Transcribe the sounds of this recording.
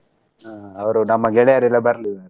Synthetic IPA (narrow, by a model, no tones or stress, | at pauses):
aɐʋɐɾunɐmːɐɡɛɭɛjaɾɛlːɐbɐɾli